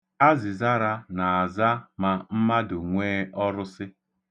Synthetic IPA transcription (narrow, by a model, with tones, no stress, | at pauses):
a˦zɪ˨za˦ɾa˦na˨a˨za˦ma˨m̩˦ma˦dʊ˨ŋʷeː˦ɔ˦ɾʊ˦sɪ˦